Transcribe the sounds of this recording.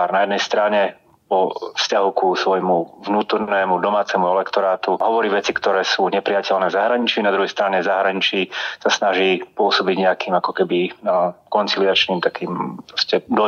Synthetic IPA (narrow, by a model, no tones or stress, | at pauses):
aɾnajɛd̪nɛjst̪ɾaɲɛ | pɔfscaɦukusʋɔjmuʋnuːt̪ɔɾnnɛːmud̪ɔmaːt͡sɛmuɛlɛkt̪ɔɾaːt̪uɦɔʋɔɾiːʋɛt͡sikt̪ɔɾɛːsuːɲɛpɾijacɛlnɛːvzaɦɾaɲit͡ʃinad̪ɾuɦɛjst̪ɾaɲɛzaɦɾaɲit͡ʃisasnaʒiːpʊɔsɔbiɟɲɛakiːmakɔkɛbikɔnt͡silɪat͡ʃniːmt̪akiːmpɾɔscɛd̪ɔ